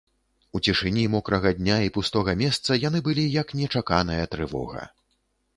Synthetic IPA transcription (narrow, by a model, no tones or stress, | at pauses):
ut͡sʲiʂɨnʲimɔkɾɐɣɐd̪ʲnʲaipust̪ɔɣɐmʲɛst̪sɐjanɨbɨlʲijɐknʲɛt͡ʂakanɐjɐt̪ɾɨvɔ̰ɣɐ̰